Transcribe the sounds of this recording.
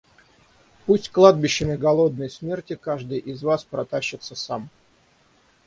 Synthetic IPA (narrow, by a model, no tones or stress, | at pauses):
pusʲtʲklˠad̪̚bʲɪɕːɪmʲɪɡɐlˠo̞d̪̚nəjsmʲe̞rtʲɪkaʐd̪ɨjʔɪzvaspɾɐt̪aɕːɪt̪səsam